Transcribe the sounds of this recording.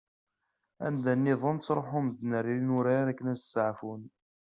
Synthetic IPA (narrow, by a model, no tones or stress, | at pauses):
æ̰nd̪ænːiðˤənt͡sːɾˤħʊmd̪nəɾːiɾinuɾaɾækːənæsəsaʕfun